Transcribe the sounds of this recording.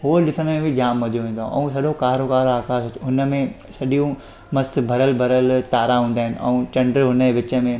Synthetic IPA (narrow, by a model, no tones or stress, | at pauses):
ɦoɗɪsəɽ̃əmẽbʱid͡ʑaːmːɐd͡ʑoʋẽːn̆d̪õ̰ʔɛ̰̃ũsɐɗokaːɾokaːɾaːxaːsʊt͡ɕʰʊnə̆mẽ | sɐɗijũ | mɐst̪bʱɐɾəlbʱɐɾəlt̪aːɾaɦũːnd̪aːɦɪnɪ̆ʔɛ̰̃ũːt͡ɕɐ̃ɳɖɾɦʊnəeʋɪt͡ɕə̆mẽ